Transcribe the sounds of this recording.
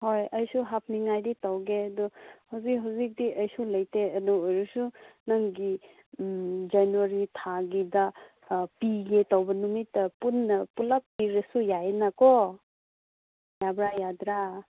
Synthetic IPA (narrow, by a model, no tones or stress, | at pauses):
hojɐjsuɦap̚ʰniŋajditawɡeɐdɔhawzikɦawzik̚diʔɐjsulɐjteɐduːjɾusunɐŋɡi | d͡ʒanwaɾitʰaɡidɐ | piɡetawbɐnumitːɐpunːɐpulapːiɾɐsujaenakɔ | jabɾajadɾa